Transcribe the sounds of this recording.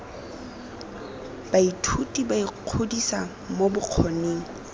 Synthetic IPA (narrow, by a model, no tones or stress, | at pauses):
b̥aitʰutʼibaiq͡χʰodisa | mobʊq͡χʰoneːŋ̩